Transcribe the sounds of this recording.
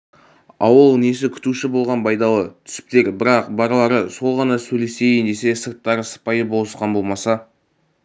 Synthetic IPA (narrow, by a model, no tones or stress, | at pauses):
ɑwəlˠne̞s̬ɪkʲʰʏ̥t̪uʃɪbo̞lˠʁɑnbʰɑjd̪ɑlˠət̪ʰʏ̥sɪ̥p̚t̪e̞ɾbɪɾɑqbɑɾlˠɑɾəso̞lˠʁɑnɑsɵjle̞se̞jend̪e̞se̞səɾt̪ːɑɾəsə̥pɑjəbo̞lˠəsqɑnbo̞lˠmɑsɑ